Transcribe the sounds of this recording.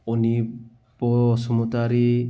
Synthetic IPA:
ɔni | pɔːsɔmɔt̪aɾi

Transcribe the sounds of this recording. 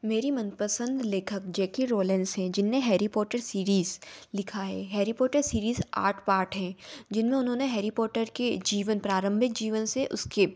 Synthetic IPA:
meːɾimɐnpəsə̃nd̪leːkʰəkd͡ʒɛːkiɾoːlɛ̃nsɦɛ̃ːd͡ʒɪnːeɦɛːɾipɔːʈəɾsiːɾiːzlɪkʰaɦɛ̰ːɦɛːɾipɔːʈəɾsiːɾiːza̰ːɾʈʰpaːɾʈɦɛ̃ːd͡ʒɪnmẽʊnɦõneɦɛːɾipɔːʈəɾked͡ʒiːʋənpɾaːɾə̃mbʱɪk̚d͡ʒiːʋənseʔʊske

